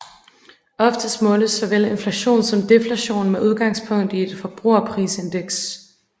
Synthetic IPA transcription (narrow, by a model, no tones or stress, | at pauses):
ɒ̽fd̥əsmɔ̽ːləsɒ̽ʋele̝nflæɕo̝̰ːnsɒ̽md̥e̝flæɕo̝̰ːnmeʔuð̞ˠɡ̥ɑ̈ŋspʰɔ̽ŋ̰d̥ie̝d̥fɒ̽b̥ʁṵɐpʰʁḭːse̝nd̥eɡ̥s